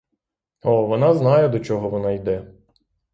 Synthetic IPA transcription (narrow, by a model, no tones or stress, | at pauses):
ɔʋɔnɑznɑjɛd̪ɔt͡ʃɔɦɔʋɔnɑjd̪ɛ